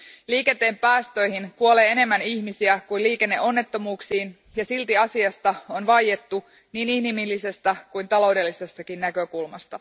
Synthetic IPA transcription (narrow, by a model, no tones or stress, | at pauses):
liːke̞nt̪e̞ːmpæːst̪ø̞jhinkuo̞leːene̞mːæniçmisiækujliːke̞nːe̞ʔo̞nːe̞t̪ːo̞muːksiːn | jɑsilt̪iɑsiɑst̪ɑo̞nʋɑje̞t̪ːu | niːnihnimilːise̞st̪ækujnt̪ɑlo̞wde̞lːise̞st̪ɑkinːækø̞kulmɑ̰st̪ɑ